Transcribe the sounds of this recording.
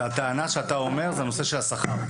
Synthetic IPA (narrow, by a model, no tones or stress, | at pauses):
at̪eanaʃeat̪ao̞me̞ʁzeanoseʃelasaχa